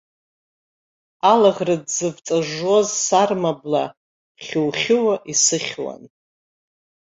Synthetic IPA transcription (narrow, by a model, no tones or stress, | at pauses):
alaʁʲrɨdzɨvt͡sʼaʐozsarmabla | χʲuwχʲɪwaʔisɨχʲwa̰n